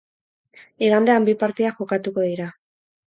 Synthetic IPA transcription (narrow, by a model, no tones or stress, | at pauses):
iɣand̪eambipaɾt̪iaʝokat̪uko̞ðiɾa